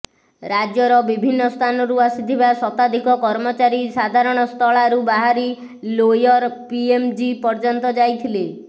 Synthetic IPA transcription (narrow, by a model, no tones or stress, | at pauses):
ɾad͡ʒjɔɾɔbibʱinːɔst̪ʰanɔɾuasit̪ʰibasɔt̪ad̪ʱikɔkɔɾmɔt͡ʃaɾisad̪ʱaɾɔɽ̃ɔst̪ʰɔɭaɾubaɦaɾi | lojɔɾpiemd͡ʒipɔɾd͡ʒɔnt̪ɔd͡ʒajt̪ʰile